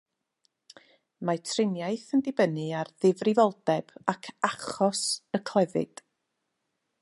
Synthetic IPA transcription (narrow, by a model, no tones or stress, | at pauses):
matʰrɪnjaɨθəndɪbənɨarðɪvrɪvɔlˠdɛb̥akʰaχɔsəkʰl̥ˠɛvɨ̰d̥